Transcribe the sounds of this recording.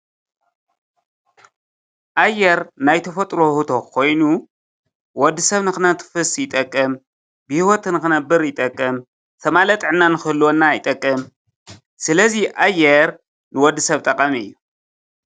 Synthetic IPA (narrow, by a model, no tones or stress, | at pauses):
ʔajːɛɾnajt̪ʰɐfɐt̪ʼɾo̞hut̪ʰokʰo̞jnu | wɔd̪ːɨsɐβnɨxɨnɐt̪ʰfɨsjɪt̪ʼɐkʼːɐm | bɨhiwɔt̪nɨxɨnɐbɨɾjɪt̪ʼɐkʼːɐm | t̪ʰɐmalɐt̪ʼʕɨnːanɨxɨlːonːajɪt̪ʼɐkʼːɐm | sɨlɐziʔajːɛɾ | nɨwɔd̪ːɨsɐβt̪ʼɐqʼɐmiɨ̰jːu